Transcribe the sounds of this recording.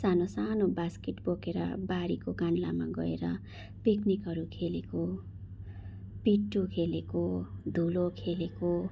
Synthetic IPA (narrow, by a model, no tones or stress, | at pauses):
sanosanobaskiʈbokeɾʌ̰baɾikokanlama̰ɡʌ̰eɾʌ | piknikɦʌɾukʰeleko | piʈːukʰelekod̪ʱulokʰeleko